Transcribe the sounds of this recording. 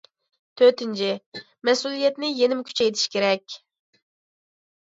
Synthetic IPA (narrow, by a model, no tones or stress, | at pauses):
t̪ʰøt̪ɪnt͡ʃʰɪ | mɛsulˠijɛt̪nɪjenɪmkʲʰy̥t͡ʃʰɛjt̪ʰɪ̥ʃkʲeɾɛkʲ